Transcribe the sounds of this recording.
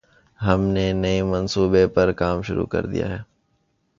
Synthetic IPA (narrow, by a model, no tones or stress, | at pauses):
ɦɐmnenɐimɐnsuːbepɐɾkaːmʃʊɾṵkɐ̰ɾd̪ḭja̰ɦɛː